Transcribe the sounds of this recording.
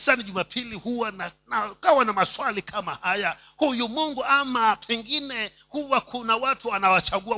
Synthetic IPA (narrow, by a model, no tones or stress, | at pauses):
saniʄumapʰilihuwananakawanamaswalikʰamahajahujumuŋɡuamapʰɛŋɡinɛ | huwakʰunawatuanawat͡ʃaɠua